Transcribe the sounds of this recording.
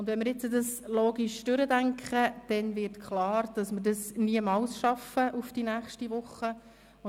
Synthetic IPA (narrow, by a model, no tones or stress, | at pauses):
ʊndʋɛnmɪɾjɪt͡sədɑsloːɡiʃd̥øɾədæŋkχəd̥ɛnvɪrtkχlɑːɾd̥ɑsmərdɑsniəmɑlsʃɑfəʔufd̥inæːχʃtiʋʊχːə | ʊ